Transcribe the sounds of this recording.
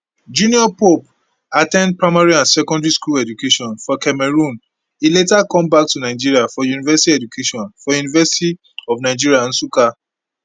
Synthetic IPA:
d͡ʒũniɔpop | atɛ̃nd̚pɹaɪmaɹiãnsɛkɔ̃ndɹiskulɛd͡ʒukeʃɔ̃nfɔkɛmɛɹũn | iletakɔ̃mbak̚tunaɪd͡ʒiɹiafɔjunivɛsitiɛd͡ʒukʰeʃɔ̃nfɔjunivɛsiti | ɔfnaɪd͡ʒiɹiaãnsuka

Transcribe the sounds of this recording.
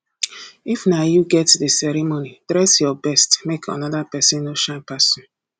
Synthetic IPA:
ifnajuɡɛtdisɛɾimonid̥ɾɛsjɔbɛstmekʰa̰nɔdapɛsɪ̃nːoʃãnpasɔ̃n

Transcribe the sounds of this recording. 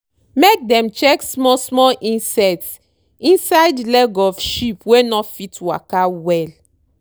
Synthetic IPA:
mek̚dɛ̃mt͡ʃɛksmɔsmɔlʔĩnsɛts | ĩnsajdlɛɡɔfʃipwenɔfitwa̰kawɛl

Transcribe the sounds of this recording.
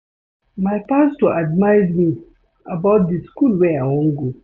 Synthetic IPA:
maɪpastuʔadmaɪzmi | abaʊt̚diskulwɛawɔ̃nɡo

